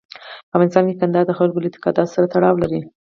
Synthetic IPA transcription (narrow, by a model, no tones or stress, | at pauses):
pəamɑnɪst̪ɑnkekand̪ɑd̪əxalɡolat̪ɪ̥kɑd̪ɑd̪saɾat̪aɽɑwlaɾi